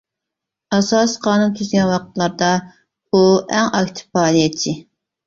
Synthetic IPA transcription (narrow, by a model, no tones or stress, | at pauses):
ɑsɑsqʰɑːnunkʲʰyzɡʲɛnwɑqət̪lˠɑɾd̪ɑ | uɛŋɑkʲt̪ʰɪ̥pːɑːlijɛt͡ʃʰːɪ